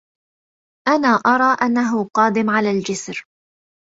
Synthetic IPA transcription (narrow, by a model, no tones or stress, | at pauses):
ʔanaːʔɑɾˤɑːʔanːaɦʊqɑːd̪ɪmʕalaːld͡ʒɪsɾ